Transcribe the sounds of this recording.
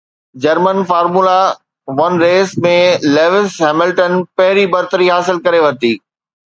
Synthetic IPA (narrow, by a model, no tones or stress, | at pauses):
d͡ʑɐɾmənfaːɾmuːla | ʋɐnɾeːsmẽleːʋɪsɦɛːmɪlʈənpɐɦɪɾibɐɾt̪əɾiɦaːsɪlkɐɾeʋɐt̪iː